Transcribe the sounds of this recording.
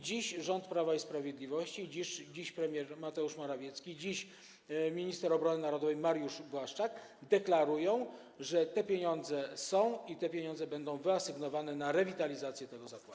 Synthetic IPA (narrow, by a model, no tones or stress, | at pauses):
d͡ʑiɕʐɔnt̪pɾavaispɾavʲjed̪lʲivɔɕt͡ɕid͡ʑiʂd͡ʑiɕpɾɛmʲjɛɾmat̪ɛuʂmaɾavʲjɛt̪skʲid͡ʑiɕ | mʲiɲist̪ɛɾɔbɾɔnɘnaɾɔd̪ɔvɛjmaɾjuʂbwaʂt͡ʂak | d̪ɛklaɾujɔ̃w̃ | ʐɛt̪ɛpʲjeɲɔnd̪zɛsɔ̃w̃it̪ɛpʲjeɲɔnzɛbɛnd̪ɔ̃w̃vɘasɘɡnɔvanɛnaɾɛvʲit̪alʲizat̪sʲjɛt̪ɛɡɔzakwad̪